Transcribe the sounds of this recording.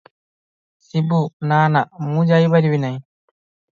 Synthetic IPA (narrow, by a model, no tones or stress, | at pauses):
sibunaːnamud͡ʒajbaɾibinaj